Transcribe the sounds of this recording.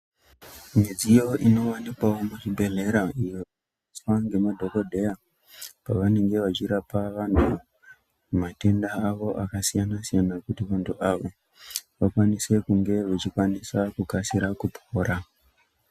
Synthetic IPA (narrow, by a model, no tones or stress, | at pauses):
mid͡zijo̞ʔino̞wanikwaomut͡ʃibʱe̞ɮe̞ɾaʔijoa | iswaŋɡe̞madʱo̞ko̞dʱe̞ja | paʋane̞ŋɡe̞ʋat͡ʃiɾapaʋantʰu | mate̞ndaːʋo̞ʔakasijanasijanakutiʋantuʔaʋo̞ | ʋakwanise̞kuŋɡe̞ʋet͡ʃikwanisakukasiɾakupʰo̞ːɾa